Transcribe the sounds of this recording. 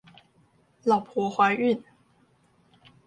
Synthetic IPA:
lɑ˨˩ʊpʰwɔ˧˥xwa˧˥ɪy˥˩n

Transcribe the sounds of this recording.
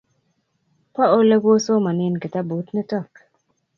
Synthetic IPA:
pɔ˦o˦lɛ˦ko˦so˦ma˨nɪ˦˨nke˨ta˦bu˨˦tnɛ˦tɔ˦˨k

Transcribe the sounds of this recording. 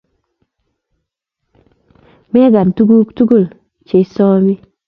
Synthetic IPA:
mɛ˦ɡa˨ntu˦ɡu˦ktu˦ɡu˦˨l | t͡ʃe˨˦sɔ˦mi˦

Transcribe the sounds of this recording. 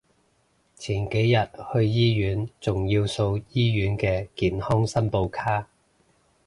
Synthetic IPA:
t͡sʰiː˨˩nke˨˥jjɐ˨t̚hɵ˧ɥjiː˥jyː˨˥nt͡sʊ˨ŋjiː˧wso˧wjiː˥jyː˨˥nkɛː˧kiː˨nhɔː˥ŋsɐ˥npo˧wkʰaː˥

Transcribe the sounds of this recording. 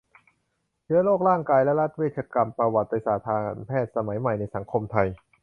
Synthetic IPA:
t͡ɕʰɯ˦˥ɐloː˥˩k̚ɾaː˥˩ŋkaː˧jlɛ˦˥ɾa˦˥t̪̚weː˥˩t̪̚t͡ɕʰaː˧ka˧mpɾa˧wa˨˩t̪̚ːa˧jsaː˨˩t̪ʰaː˧npʰɛː˥˩t̪̚sa˧ma˩˦jma˨˩jna˧jsa˩˦ŋkʰo˧mt̪ʰa˧j

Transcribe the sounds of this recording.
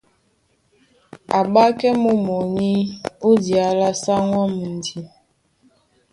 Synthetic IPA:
a˨ɓa˦kɛ˦mu˦mo˨ɲi˦u˦dja˨˦la˦sa˦ŋwɔ˦m̩˨n˨di˨

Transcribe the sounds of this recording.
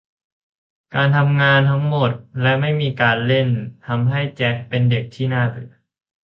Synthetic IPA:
kaː˧nt̪ʰa˧mŋaː˧nt̪ʰa˦˥ŋmo˨˩t̪̚lɛ˦˥ma˥˩jmiː˧kaː˧nle˥˩nt̪ʰa˧mɦa˥˩jt͡ɕɛ˦˥k̚pe˧nde˨˩k̚t̪ʰiː˥˩naː˥˩t̪ɯ̰˨˩˦

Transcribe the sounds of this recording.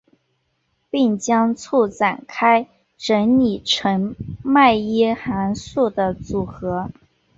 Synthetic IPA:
pi˥˩ŋt͡ɕjɑ˥ŋt͡sʰu˥˩ʈ͡ʂa˨˩nkʰa˥ɪ | ʈ͡ʂə˧˥nni˨˩ʈ͡ʂʰə˧˥ŋma˥˩ɪɛ˥xa˧˥nsu˥˩d̪ə˩t͡su˨˩xɤ˧˥

